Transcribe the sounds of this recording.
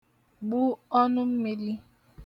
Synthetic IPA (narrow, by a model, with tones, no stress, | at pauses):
ɡ͡bu˦ɔ˦nʊ˦m̩˦mi˦li˦